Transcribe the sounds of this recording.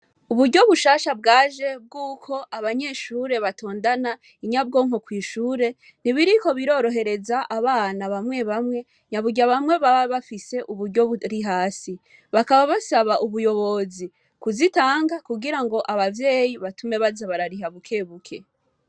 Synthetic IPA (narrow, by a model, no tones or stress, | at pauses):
uβuɾɟo̞βuʃaːʃabɡaːʒe̞b̚ɡuːkʰo̞ʔaβaɲe̞ːʃuːɾe̞βato̞ːndana | iɲab̚ɡo̞ːŋo̞kwiːʃuːɾe̞ | n̥iβiɾiko̞βiɾo̞ːɾo̞ɦe̞ɾe̞zaʔaβaːnaβamŋe̞βamŋe̞ | ɲaβuɡɟaβamŋe̞βaβaβafise̞ʔuβuɾɟo̞ɾiɦaːsi | βakaβaβasaβaʔuβujo̞βo̞zi | kuzitaːŋɡakuɡiɾaŋɡo̞ʔaβavje̞ːjiβatume̞βazaβaɾaɾiɦaβukʰe̞ːβukʰe̞